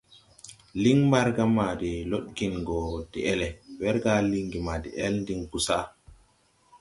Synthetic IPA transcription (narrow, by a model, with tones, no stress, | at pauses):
li˦ŋma˦ɾɡa˦ma˨di˨lo˦ɗki˨nɡɔ˨d̥i˨ʔɛ˦lɛ˨wɛ˦ɾɡa˦li˦ŋɡi˨ma˨dḭ˨ʔɛ˦lndi˦ŋku˦sa˦